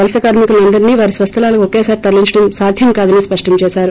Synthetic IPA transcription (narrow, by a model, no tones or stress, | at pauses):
ɐlɐsɐkaːɾmikuluɐnd̪ɐɾiniːʋaːɾisʋɐst̪ʰɐlaːlɐkʋɔkeːsaːɾit̪ɐɾliɲt͡ʃɐɽɐmsaːd̪ʱjɐmkaːd̪ɐniːspɐʂʈɐmt͡ʃɛːsaːɾu